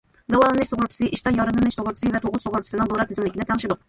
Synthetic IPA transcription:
d̪ɛwɑlˠɨnɪkʲsoʁʊɾt͡ʃʰsɨʔiʃt̪ɑjɑɾɨlɪnɪʃsoʁʊɾt͡ʃ̪ʰɪsɨvɛt̪ʰoʁʊsoʁʊɾt͡ʃʰi̥sɪnɪŋd̪oɾɑt̪ʰezɪmlɪkʲnɪt̪ʰæŋʃɪd̪ʊq

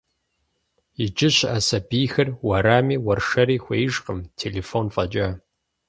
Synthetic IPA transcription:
jɪd͡ʒɪɕʔɐsɐbiːxɐrwaɾaːmiːwɐrʂɐɾiːxʷejɪʒqəmtʰeːleːfoːnfʼɐd͡ʒʼaː

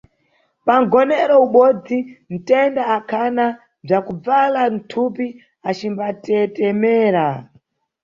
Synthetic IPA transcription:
paŋɡɔnɛɾɔuɓɔd͡zin̩tɛndaːkʰana | b͡ʐakub͡valan̩tʰupi | at͡ʃimbatɛtɛmɛːɾa

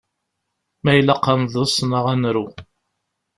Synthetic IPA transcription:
mæjləqːəmðˤəsˤnəʁænɾu

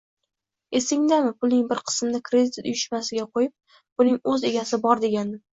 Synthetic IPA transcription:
e̞sɪŋd̪amɪpʰʊlnɪŋbɪɾqʰɨ̥smnɪkʰɾe̞d̪ʰɪt̪ʊjɪʃmasɪɡʲaqʰojɪp̚ | b̥ʊnɪŋɵze̞ɡʲasɪbɒɾd̪e̞ɡʲanɪ

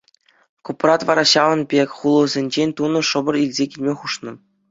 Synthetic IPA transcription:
kuprɑt̪ʋɑɾɑɕɑʋɤ̆nbʲekʲχulˠɤ̆zʲenʲd͡ʑenʲt̪unɤ̆ʂɤ̆bɤ̆rilʲzʲekʲilʲmʲeχuʂnɤ̆

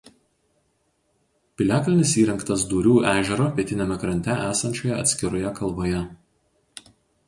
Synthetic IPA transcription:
pʲɪlʲæːklʲɪnʲɪsiːɾʲɛŋkt̪ɐsd̪uːɾʲuːʔæːʒʲɛɾoːpʲiɛt̪ʲɪnʲɛmʲɛkɾɐnʲt̪ʲɛʔæːsɐnʲt͡ʃʲoːjɛɐ̰t̪ʲsʲkʲɪɾojɛkɐlˠboːjɛ

